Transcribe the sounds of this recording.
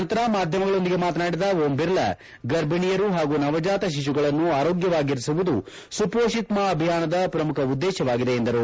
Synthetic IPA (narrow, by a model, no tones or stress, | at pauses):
nt̪ɐɾɐmaːd̪ʱjɐmɐɡɐɭo̞nd̪iɡe̞maːt̪̬ɐnaːɽid̪ɐɦoːmbiɾlɐ̰ | ɡɐɾbʱiɳijɐɾuɦaːɡuːnɐʋɐd͡ʒaːt̪ɐʃ̬iʃ̬uɡɐɭɐnːuaːɾo̞ːɡjɐʋaːɡiɾisiʋud̪u | supoːʃit̪maɐbʱijaːnɐd̪ɐpɾɐmukʰɐud̪ːɛːʃɐʋaːɡid̪e̞ːnd̪ɐɾu